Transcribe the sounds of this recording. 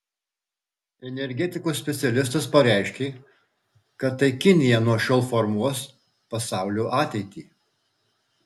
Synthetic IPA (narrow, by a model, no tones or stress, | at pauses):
ɛnʲɛɾʲɡʲɛt̪ʲɪkuːssʲpʲɛt̪sʲɛlʲɪs̬t̪ɐspɐɾʲæˑɪʃʲkʲeː | kɐt̪ːɐɪkʲɪnʲɪjɛnuɔʃʲɔlˠfɔɾmuɔs | pɐsɑˑʊlʲuːʔɑːt̪ʲɛɪt̪ʲiː